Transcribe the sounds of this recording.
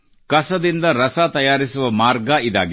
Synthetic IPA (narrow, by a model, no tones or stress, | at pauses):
kɐsɐd̪ind̪ɐɾɐsat̪ɐjaːɾisuʋɐmaːɾɡɐid̪a̰ːɡ